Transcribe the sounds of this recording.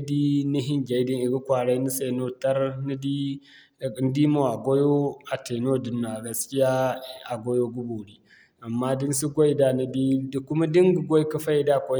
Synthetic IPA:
di˦ni˦ɦɪ˦ŋɡʲa˨˦di˦ŋi˨ɡu˦kʷaː˨ɽa˦jni˦se˨no˦ta˦ɾni˦di˦˨˦ | n˦di˦mo˨a˨ɡʷo˦jo˦a˨te˨noː˦di˨nːa˨ɡɐ˨skʲi˦jaː˦a˨ɡʷo˦jo˦ɡu˦bu˨ɽi˦ | ʔa˨mːaː˦di˦n˦su˦ɡʷo˦jda˦˨na˦di˦dkʊ˦ma˦di˦ŋɡu˨ɡʷo˦jkɐ˦ɸa˦ji˦da˦˨kʷo˦

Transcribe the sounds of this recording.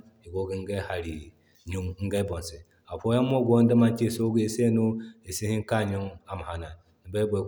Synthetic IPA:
i˨ɡo˨˦ɡi˦ŋ˦ɡɛ˦ha˨ɾi˨ | ɲu˦ŋŋ̩˦ɡɛ˦bɔ˨n˨sɪ˨ | a˨ɸo˦ja˦mo˦ɡʷn˦da˦ma˦nt͡ʃi˦˨so˦ɡi˦e˨se˦no˦e˨si˦hɪ˦ŋ˦ka˦˨ɲʊ˦ŋa˨m˨ha˨na˨ | n̩˨bɛ˦bɔ˨

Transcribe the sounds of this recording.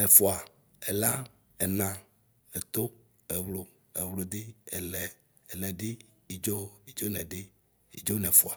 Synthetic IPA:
e˨fo˨a˨ | e˨la˦ | e˨nã˨ | e˨t̪o˦ | e˨wlo˨ | e˨wlo˨d̪e˦e˨lɛ˨ | e˨lɛ˨ɖɪ˦ | i˨d͡ʒo˦i˨d͡ʒo˦nɛ̃˨ɖɪ˦ | i˨d͡ʒo˦nɛ̃˨fo˨a˨

